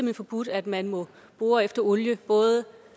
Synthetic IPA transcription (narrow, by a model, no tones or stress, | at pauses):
əmenfɒ̽b̥ud̥æd̥mænmɔ̽ | b̥ʁoːɐefd̥ɐɔljəb̥ɔ̽ːðˠə